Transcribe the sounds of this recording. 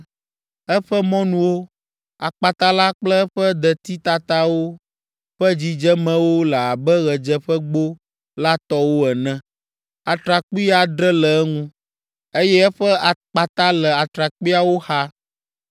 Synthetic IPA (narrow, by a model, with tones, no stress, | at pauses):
ɛ˦ɸɛ˦mɔ̃˦nũ˦wo˦ | a˨k͡pa˨t̪a˦la˦k͡plə˦ɸɛ˦d̪ɛ˨t̪i˦t̪a˦t̪a˦wo˦ | ɸɛ˦d͡ʑi˨d͡ʒɛ˦mɛ̃˨wo˦lə˨a˨bɛ˦ɣɛ˨d͡ʒɛ˦ɸɛ˦ɡ͡bo˦ | la˦t̪ɔ˦wo˦ɛ˨nɛ̃˦ | a˨t̪ɾa˨k͡pi˦a˨d̪ɾɛ˦lɛ˨˦ŋũ˦ | e˦jɛ˦ɛ˦ɸə˦a˨k͡pa˨t̪a˦lɛ˨a˨t̪ɾa˨k͡pi˦a˦wo˦xa˦